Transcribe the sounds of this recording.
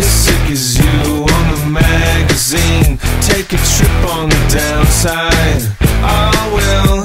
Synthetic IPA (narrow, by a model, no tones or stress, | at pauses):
ɨsɪkɨzjʉ | ə̃nðəmæɡɨzĩntʰeɪkɨtʰɹ̥ɪpn̩ðɨdãʊ̃nsaɪd | ʔaɪwɪlˠ